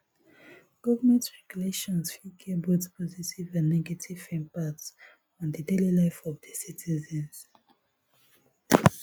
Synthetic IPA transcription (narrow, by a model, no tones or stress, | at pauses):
ɡ̥ɔvəmɛ̃ntɹɛɡ̥juleʃɔ̃nsfikʰɛbotpʰɔzitivãnːɛɡatʰiv̥fɛ̃npats | ɔ̃ndədelilaɪfɔvdəsitʰizɛ̃ns